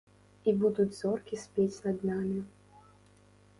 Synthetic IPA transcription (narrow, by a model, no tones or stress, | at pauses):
ibud̪ud͡zʲzɔrkʲisʲpʲet͡sʲnɐd̪namʲi